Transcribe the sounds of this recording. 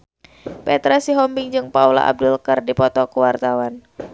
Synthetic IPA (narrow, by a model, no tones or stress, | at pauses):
pɛt̪ɾasiɦɔmbɪŋd͡ʒɨŋpaula̰ʔa̰b̚dʊlkərdipɔt̪ɔkuwart̪awan